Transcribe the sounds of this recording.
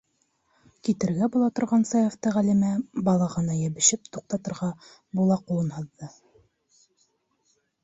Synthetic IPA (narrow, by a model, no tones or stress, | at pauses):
kit̪ɘ̆ɾɡæbulˠɑt̪ŏɾʁɑnsɑjɑft̪ɤʁælimæbɑlˠɑʁɤ̆nɑjæβɘ̆ʃɘp̚t̪uq̚t̪ɑt̪ɤ̆ɾʁɑ | bulˠɑqulˠɤnhɤðːɤ